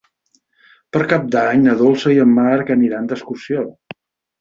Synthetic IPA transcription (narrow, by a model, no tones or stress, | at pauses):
pəɾkap̚d̪aɲnəðolˠsəiəmːaɾkəniɾand̪əskusio